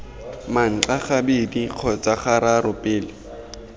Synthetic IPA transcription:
maŋ̩ǁaχabediq͡χʰɔt͡sʼaχaɾarʊpʼɪːlɪ

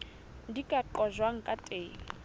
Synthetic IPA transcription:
dikʼaǃʼɔʒwaŋ̩kʼatʼeːŋ̩

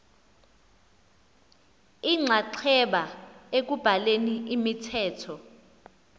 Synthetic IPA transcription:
iŋ͡ǀʱaǀʰɛɓaek̬ub̥ʱaleniimitʰɛːtʰɔ

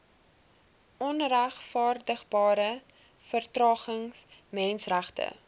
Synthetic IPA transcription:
ʔɔnræχfɑːrdəχbɑːɾə | fərtrɑːχəŋsmɛnsræχtə̰

